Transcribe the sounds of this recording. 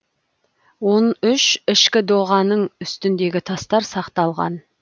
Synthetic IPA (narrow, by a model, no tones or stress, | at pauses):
wo̞nʏʃɪʃkʲɪd̪oʁɑnəɴʏst̪ɪnd̪e̞ɡʲɪt̪ʰɑst̪ɑɾsɑqt̪ɑlˠʁɑ̰n